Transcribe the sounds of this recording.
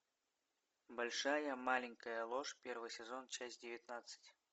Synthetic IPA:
bɐlʲʂajəmalʲɪŋʲkəjəlˠɔʂpʲervɨjsʲɪzont͡ɕasʲdʲɪvʲɪt̪nat̪sɨ̥tʲ

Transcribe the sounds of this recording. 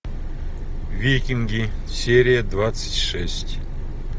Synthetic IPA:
vʲikʲiŋɡʲisʲeɾʲijəd̪vat̪sɨ̥tʲʂɛsʲtʲ

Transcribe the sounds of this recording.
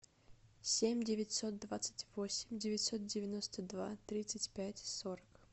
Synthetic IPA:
sʲemʲdʲɪvʲɪtʲso̞t̪̚d̪vat̪sɨ̥tʲvo̞sʲɪmʲdʲɪvʲɪtʲso̞t̪̚dʲɪvʲɪnost̪əd̪va̰t̪ɾʲit̪sɨtʲpʲætʲsoɾək

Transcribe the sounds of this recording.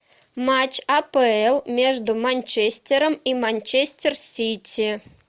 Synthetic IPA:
mat͡ʃɐpɛɛlˠmʲɛʐd̪umanʲt͡ʃɛsʲtʲɛɾɐmimanʲt͡ʃɛsʲt̪ʲɛrsʲit͡sʲi

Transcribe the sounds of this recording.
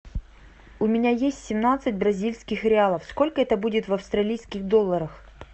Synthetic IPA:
ʊmʲɪnʲajesʲtʲsʲɪmnat̪sɨtʲbɾɐzʲilʲskʲɪxɾʲɪalˠəfsko̞lʲkəɛt̪əbudʲɪt̪vɐfst̪ɾɐlʲijskʲɪxd̪olˠːəɾəx

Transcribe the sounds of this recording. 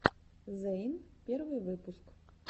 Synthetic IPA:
zɛjnpʲɛɾʋɪjʋɪpʊsk

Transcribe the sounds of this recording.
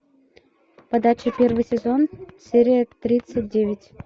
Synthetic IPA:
pɐd̪at͡ɕɪpʲervɨjsʲɪzonsʲeɾʲɪjət̪ɾʲit̪sɨt̚ʲdʲevʲɪtʲ

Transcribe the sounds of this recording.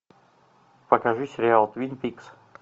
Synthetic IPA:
pəkɐʐusʲɪɾʲɪalˠt̪vʲinpʲiks

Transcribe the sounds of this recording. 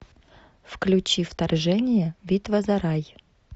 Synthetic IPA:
fklʲʉt͡ɕift̪ɐrʐɛnʲɪjəvʲit̪vəzɐɾaj

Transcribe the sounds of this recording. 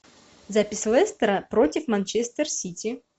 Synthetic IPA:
zapʲɪsʲlˠɛst̪ɾəpɾotʲɪfmɐnʲt͡ʃest̪ərsʲitʲɪ

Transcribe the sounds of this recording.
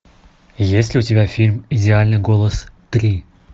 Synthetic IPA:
jesʲlʲɪʊtʲɪbʲafʲilʲmɪdʲɪalʲnɨjɡolˠəst̪ɾʲi

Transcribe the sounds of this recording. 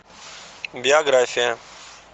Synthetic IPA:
bɪjaːɡɾaːjfẽː

